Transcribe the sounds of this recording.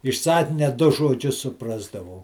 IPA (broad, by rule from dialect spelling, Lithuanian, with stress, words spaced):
ɪʃ ˈsɑːkʲɪnʲɛ ˈdʊ ʒoːˈd͡ʒʲʊs sʊˈprɑːzdɐʋɐʊ